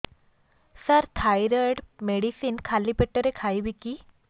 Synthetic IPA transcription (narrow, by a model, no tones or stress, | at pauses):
səɾt̪ʰajɾəɽmeɽisinkʰalipeʈːəɾekʰajbiki